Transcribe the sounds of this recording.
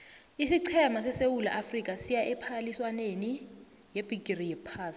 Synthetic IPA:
isiǀʰɛmasɛsewula̰ʔafrik̬ʼasijaʔɛpʰaliswaneni | jeb̥ʱikʼirijɛpʰaːsi̥

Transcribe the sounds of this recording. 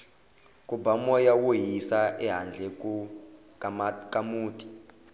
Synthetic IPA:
kʼubamɔjawojisaʔɛɦand͡ɮʱɛkʼu | kʼamuːtʼi̥

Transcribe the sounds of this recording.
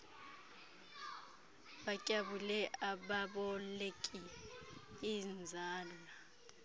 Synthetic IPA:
ɓacʼaɓulɛʔaɓaɓɔlekʼi | ind͡zʱaːla

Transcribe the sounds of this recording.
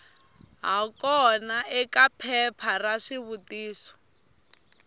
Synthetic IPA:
ɦakɔnaʔɛkapʰɛpʰaraʂiβutiːsɔ̥

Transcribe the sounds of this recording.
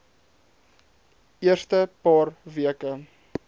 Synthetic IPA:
iərstəpɑːrviəkə

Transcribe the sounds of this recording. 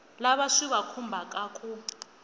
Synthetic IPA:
laβaʂiβakʰumbʱakʼaːkʰʼu

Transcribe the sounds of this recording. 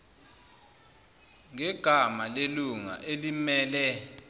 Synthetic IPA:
ŋɛɡ̥ʱamaleluŋa̰ʔelimɛːlɛ

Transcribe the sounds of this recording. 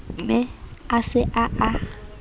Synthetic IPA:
mɛasɪʔaa

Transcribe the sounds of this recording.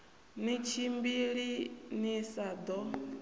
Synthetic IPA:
nit͡ʃʰimbiɺinisad̪ɔ

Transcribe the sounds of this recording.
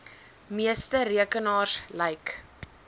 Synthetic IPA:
miəstəɾiəkənɑːslɛjk

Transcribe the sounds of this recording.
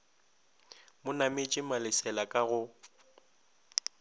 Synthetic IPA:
mʊnamet͡ʃʼɪmalɪsɛlakʼaɣʊ

